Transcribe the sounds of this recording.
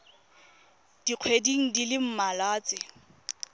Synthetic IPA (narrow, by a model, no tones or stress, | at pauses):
d̥iq͡χʰwediŋ̩dilɪm̩malaːt͡sʼɪ